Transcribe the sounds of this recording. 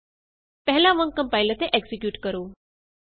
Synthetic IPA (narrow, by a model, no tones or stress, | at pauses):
pɛɦlaʋəŋkə̃mpajlət̪eʔeksikjuːʈkəɾoː